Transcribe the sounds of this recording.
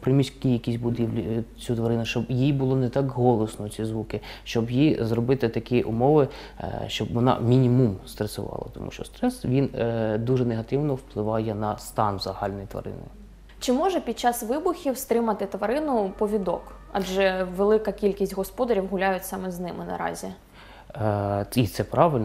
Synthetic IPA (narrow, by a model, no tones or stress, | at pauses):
pɾɪmʲisʲkʲijɐkʲisʲbʊd̪ʲiwlʲit͡sʲut̪ʋɐɾɪnʊʃt͡ʃɔbjibʊlˠɔnɛt̪ɑkɦɔlˠɔsnɔʊt͡sʲizʋukɪʃt͡ʃɔbjizrɔbɪt̪ɪt̪ɐkʲiʔʊ̰mɔʋɪ | ʃt͡ʃɔbʋɔnɑ̰mʲinʲimumst̪ɾesʊʋɑ̰lˠɐ̰t̪ɔmṵʃt͡ʃɔ̰st̪ɾɛsʋʲind̪uʐɛneɦɐt̪ɪwnɔwplˠɪʋɑjɛnɐst̪ɑnzɐɦɑlʲnɔjit̪ʋɐ̰ɾɪ̰nɪ̰j | t͡ʃɪmɔʒɛpʲid̪̚t͡ʃːɑsʋɪbʊxʲiwst̪ɾɪmɐt̪ɪt̪ʋɐɾɪnʊpɔʋʲid̪ɔk | ɐ̰d͡ʒɛʋelˠɪkɐkʲilʲkʲisʲtʲɦɔspɔd̪ɐɾʲiwɦʊlʲajʊtʲsɑmɛznɪmɪnɐ̰ɾɑ̰zʲi | it̪sɛpɾɑʋɪlʲn